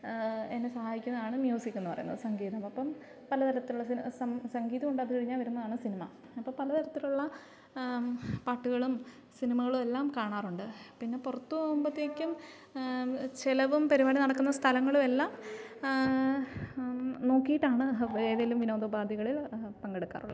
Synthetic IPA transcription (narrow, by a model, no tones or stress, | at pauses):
enːesɐhaːjikʲːunːɐðaːɳɨmjuːsikʲːunːupɐrɐ̰junːɐ̰ðɨsɐŋɡiːðɐmɐpːɐm | pɐlɐt̪ʰɐɾɐt̪ːiluɭːɐsisɐmsɐŋɡiːðɐmuɳɖaːðɨkɐɻiɲːaːlʋɐɾunːɐðaːɳɨsinimɐ | ɐpːoːpɐlɐt̪ʰɐɾɐt̪ːiluɭːɐ | paːʈːuɣɐɭum | sinimɐɣɐɭume̞lːaːmkaːɳaːruɳɖɨpinːe̞purɐt̪ːumbɐt̪ːjeːkʲːum | t͡ɕelɐʋumpɐɾiʋaːɽinɐɽɐkːunːɐst̪ʰɐlɐŋːɐɭume̞lːaːm | no̞ːkːijiʈːaːɳɨeːðelumʋino̞ːd̪ɐbaːd̪ʱjɐɣɐɭilpɐŋɡe̞ɽukːa̰ːrṵɭːɐð